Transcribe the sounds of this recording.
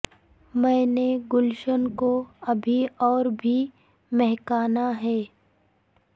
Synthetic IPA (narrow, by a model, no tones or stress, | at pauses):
mɛ̃ːneɡʊlʃənkoɐbʱiɔːɾbʱi | mɛɦkaːnaɦɛː